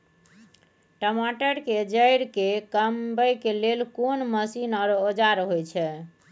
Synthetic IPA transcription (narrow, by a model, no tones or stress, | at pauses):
ʈəmaʈəɾked͡ʒəjɾkekəmbəjkelelkonməsinɔɾod͡ʒaɾɦojt͡ʃʰɛ